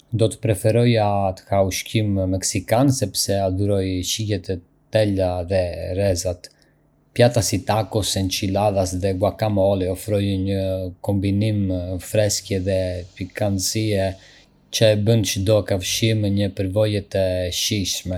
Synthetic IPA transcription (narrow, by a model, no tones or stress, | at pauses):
d̪ɔt̪ə̥pɾɛfɛɾɔjat̪ə̥hauʃkimmɛksikansɛpsɛad̪uɾɔjʃijɛt̪ɛ | t̪ɛlaðɛɾɛzat̪ | pjat̪asit̪akɔsɛnt͡ʃilaðasðɛɡwakamɔliɔfɾɔjɲəkɔmbinimfɾɛskjɛðɛpikansiɛ | t͡ʃəɛbənt͡ʃəd̪ɔkafʃimɲəpəɾvɔjɛt̪ɛʃiʃmɛ